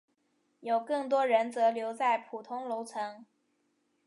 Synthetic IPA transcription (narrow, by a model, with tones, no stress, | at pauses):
jo˨˩ʊkɤ˥˩ŋt̪̬wɔ˥ɻə˧˥nt͡sɤ˧˥ljo˧˥ʊt͡sa˥˩ɪpʰu˨˩t̪ʰʊ˥ŋlo˧˥ʊt͡sʰɤ˧˥ŋ